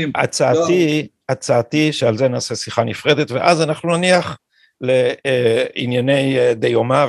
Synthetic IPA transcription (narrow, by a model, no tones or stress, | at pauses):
ʔa̰t͡saːt̪i | at͡saːtiʃealze̞naːsesiχanifʁe̞d̪et̪veʔazanaχnunaniaχ | le̞ | injane̞jd̪ejomav